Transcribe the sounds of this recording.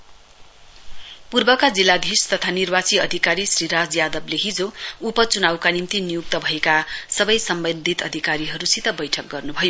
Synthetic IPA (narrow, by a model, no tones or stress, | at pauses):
purbʌkad͡zilːad̪ʱist̪ʌt̪ʰanirbat͡siʌd̪ʱikaɾisriɾad͡zjad̪ʌbleɦid͡zoupʌt͡sunawkanimt̪inijuk̚t̪ʌbʱʌekasʌbʌjsʌmbʌnd̪ʱit̪ʌd̪ʱikaɾiɦʌɾusit̪ʌbʌjʈʰʌk̚ɡʌrnubʱʌjo